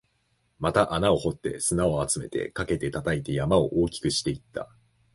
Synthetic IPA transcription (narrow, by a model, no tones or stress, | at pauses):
mat̪aʔanao̞ho̞t̪ːe̞̰sɨnao̞at͡sɨme̞̰t̪e̞̰kake̞t̪e̞t̪at̪ait̪e̞jamao̞̰ʔo̞ːkʲi̥kɯ̟ɕi̥t̪e̞it̪ʰːa̰